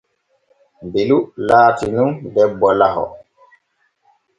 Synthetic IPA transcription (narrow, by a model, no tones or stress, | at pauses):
mbelulaːtinundɛbːɔlahɔ̰